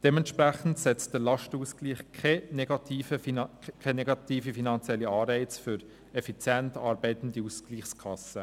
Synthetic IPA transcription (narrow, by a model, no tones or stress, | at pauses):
d̥ɛmɛnt̪ʃpɾæχən̩tsɛt͡std̥əlɑʃtuːskliːχkʰɛnɛɡ̥ɑt̪ʰiːfəkʰɛnɛɡɑtiːfifinɑnt͡sjɛlːiɑːɾɛɪt͡sfʏɾ | ɛfit͡sjɛntɑːɾbɛɪt̪ən̩diuːskliːχskʰɑsə